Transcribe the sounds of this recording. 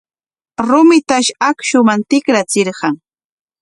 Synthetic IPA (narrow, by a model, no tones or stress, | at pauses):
ɾʊmɪt̪aʃakʃʊmant̪ɪkɾat͡sɪɾɢɑŋ